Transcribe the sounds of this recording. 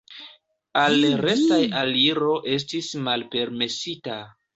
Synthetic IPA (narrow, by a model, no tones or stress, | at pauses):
alɾe̞stajaliɾo̞ʔe̞s̬tismalpe̞ɾme̞sita